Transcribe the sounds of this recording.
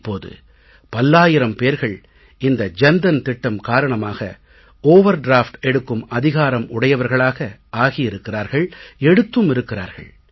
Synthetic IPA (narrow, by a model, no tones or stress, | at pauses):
pːoːðɯ̰ | pɐlːaːjɪɾɐmpeːɾɣɐɭ | ɪnd̪ɐd͡ʒɛnd̪ɐnt̪ɪʈːɐmkaːɾɐɳɐmaːɣɐ̰ | oːʋɐɾɖɾaːfʈɛɽɯkːɯmɐðɪɣaːɾɐmʊɽɐjɐʋɐɾɣɐɭaːɣɐʔaːɣɪjɪɾɯkːɪɾaːɾɣɐɭɛɽɯt̪ːɯmɪɾɯkːɪɾa̰ːɾɣɐ̰ɭ